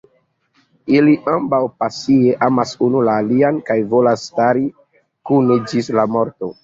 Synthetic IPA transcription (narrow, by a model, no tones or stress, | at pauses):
iliʔambawpasieʔamasunulaːliankajvo̞lasːtaɾi | kuned͡ʒislamo̞ɾto̞